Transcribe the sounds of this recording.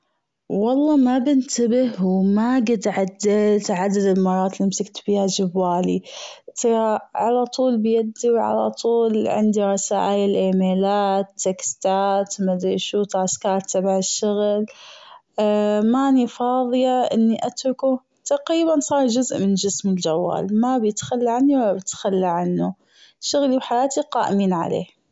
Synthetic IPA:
wɑlˤːɑːmabɪnt̪abɪhwmaɡɪd̪ʕad̪ːɪlt̪ʕad̪ad̪ɪlmɑrˤːɑːt̪limsɪɡt̪biːhad͡ʒɪbːaːlit̪ʕalat̪ˤuːlbɪjad̪iwʕa̰la̰t̪ˤuːlʕɪ̰nd̪iɾˤɑsa̰ːʔaːjɪlʔeːmeːlaːt̪ːekst̪aːt̪mad̪iʃuːt̪skɑːɾˤt̪abaʕɪʃːʊɣl | maːnifɑːðˤɨjaʔɪ̰nːiʔat̪ɾʊku | t̪aqɾiːbansˤɑːɾˤd͡ʒʊzʔmɪnd͡ʒɪsmɪld͡ʒawːa̰ːlmabjɪt̪xalːaʕanːiwɪlːabɪt̪xalːaʕanːu | ʃʊɣliwħajaːt̪iqɑːʔɪmiːnʕa̰lḛː

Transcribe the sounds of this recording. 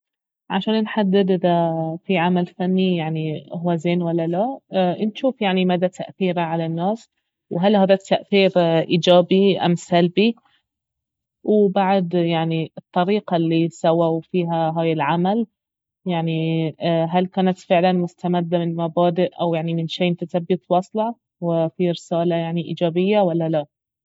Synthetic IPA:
ʕaʃaːnnħad̪ːɪd̪ʔɪd̪afiʕamalfanːijaʕniɦuwːazeːnwalːalanʃuːfjaʕnimad̪at̪ʰaʔθiːɾaʕalanːaːs | wɦalhaːðat̪ːaʔθiːɾʔiːd͡ʒaːbiʔa̰msalbi | wbaʕd̪jaʕniɨt̪ˤːɑɾiːqɑlːisawawfiːɦaɦaːjɪlʕamal | jaʕni | ɦalkaːnat̪fɪʕlanmʊst̪amad̪ːamɪnmabaːd̪ɪʔʔawjaʕnimɪnʃeːmt̪at̪abːɪt̪wɑsˤlɑ | wɪfiɾɪsaːlajaʕniʔḭːd͡ʒaːbɪjːawalːala

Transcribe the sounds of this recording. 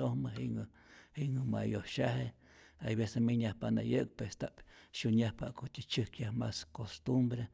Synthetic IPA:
ohməɦiʔŋ | hiŋɨma̰johʃaɦe | ajβesemiɲahpaʔna̰jɨk̚pest̪aʔpʃuɲahpa̰ʔkot̪ʲit͡ʃɨkjahmaskost̪umbɾe

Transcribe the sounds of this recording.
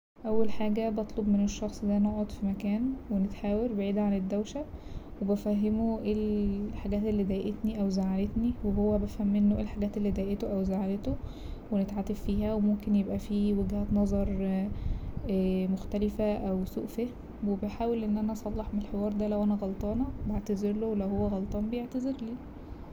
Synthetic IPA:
ʔæwːælħaːɡæbɑt̪ˤlobmeneʃːɑxsˤd̪æːnoʕod̪fimækæːnwenet̪ħaːweɾbeʕiːd̪ʕaned̪ːæwʃæwebæfæɦːemoʔeːlħaɡæːt̪elːiːd̪æjʔet̪niʔæwzaʕalet̪niweɦowːæbæfhæmːenːoʔeːlħaɡæːt̪elːiːd̪æjʔet̪oʔæwzaʕalet̪o | wenet̪ʕat̪effiːhæwemomkenjebʔæfiːweɡhæːt̪nɑzˤɑɾˤ | æmoxt̪ælefæʔæwsṵːʔfehmwebeħaːwelʔenːʔænæʔɑsˤɑlːɑħmeelħewɑːɾˤd̪ælæwʔænæɣɑlt̪ˤɑːnɑbaʕt̪æzeɾlowlæwhowːæɣɑlt̪ˤɑːnbejeʕt̪æzeɾliː

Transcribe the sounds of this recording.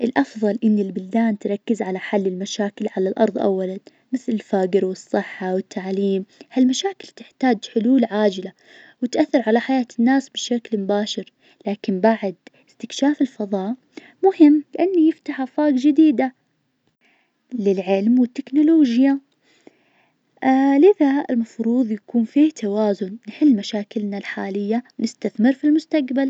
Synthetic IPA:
ʔɪlʔɑfðˤɑlʔɪnːɪlbʊld̪aːnt̪ɾˤɑkːɪzʕalaħalːɪlmaʃaːkɪlʕalalʔɑ̰ɾˤðˤʔa̰wːalan | mɪθlɪlfaːɡɪɾwɨsˤːɨħːawɪt̪ːaʕliːmhalmaʃaːkɪlt̪ɪħt̪aːd͡ʒħʊluːlʕaːd͡ʒɪla | wɪt̪ʔaθːɪɾˤʕalaħajaːt̪ɪnːaːsbɪʃaklmʊbaːʃɪɾ | laːkɪmbaʕd̪ɪst̪ɪkʃaːfɪlfɑðˤɑːʔ | mʊhɪmːlɪʔanːijɪft̪aħʔafaːɡd͡ʒɪd̪iːd̪a | lɪlʕɪlmwɪt̪ːɪknʊloːd͡ʒja | lɪðaɪ̰lmɑfɾuːðˤjakuːnfiːht̪ʰawaːzʊnnɪħɪlːmaʃaːkɪlnalħaːlɪjːanɪst̪aθmɪɾfilmʊst̪aqbal

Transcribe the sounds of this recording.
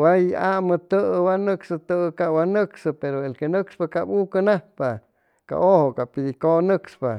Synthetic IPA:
wajaʔmɨt̪ɨwanɨksɨt̪ɨkawanɨksɨpeɾoelkenɨkspakapukɨnahpa | ka̰ʔohokapid̪ikonɨkspa

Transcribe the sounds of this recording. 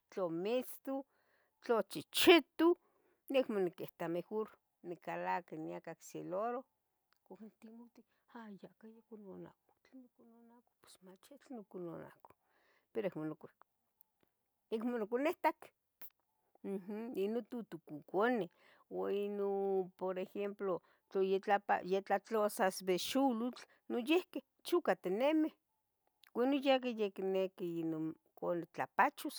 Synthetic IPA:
t͡ɬomit͡st̪u | t͡ɬot͡ʃit͡ʃit̪u | nekmonikeht̪amehoɾ | nikalakaniakakseloɾo | kaknt̪imot̪i | ajakajakunona̰ko̥t͡ɬanokunonako̥pe̥smat͡ʃat͡ɬanokonona̰ko̥ | peɾoekmonok | ekmonokoneht̪ak | m̩h̩inont̪ut̪ukukone | oinopoɾexemplo | t͡ɬojet͡ɬapa̰jet͡ɬat͡ɬosasbeʃulut͡ɬ | nojehke | t͡ʃukat̪enemeh | wʷenojak̬ejeknekiinon | konet͡ɬapat͡ʃus

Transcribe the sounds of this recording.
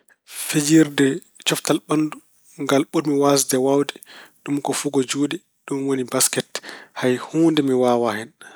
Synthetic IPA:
fed͡ʒiɾdɛ | t͡ʃɔftalɓanːdu | ŋɡalɓumiwasdɛwawdɛɗumkɔfuɡɔd͡ʒuːdɛ | ɗumwonibaskɛthajhuːndɛmiwaːwahɛn

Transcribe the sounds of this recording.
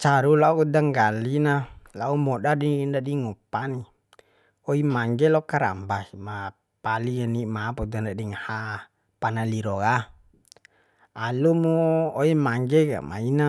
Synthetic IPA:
t͡ʃaɾulaudaŋɡalinalaumɔɗadindadiŋɔpani | ɔimaŋɡɛlɔkaɾa̰mbaima | palianimapɔd̪andadiŋaha | panaliɾɔka | alumuːimaŋɡɛka̰ma̰ina

